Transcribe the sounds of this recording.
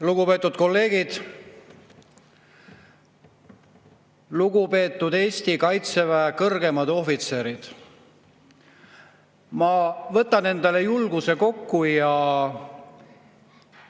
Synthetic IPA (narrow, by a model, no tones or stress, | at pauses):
luɡupe̞ːt̪ːˑud̪̥̚ko̞lːe̞ːɡ̥id̪̥ | luɡupe̞ːt̪ˑːud̪e̞ːsʲt̪ikɑjt̪sevæekɤrɡe̞mɑd̪̥o̞fit̪se̞ɾid̪̥ | mɑvɤ̞t̪ːˑɑne̞nd̪̥eɑlejulɡuse̞ko̞kːujɑ